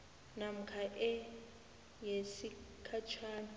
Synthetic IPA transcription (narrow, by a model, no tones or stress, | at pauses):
nam̩kʰaʔɛ | jesikʰat͡ʃʰaːna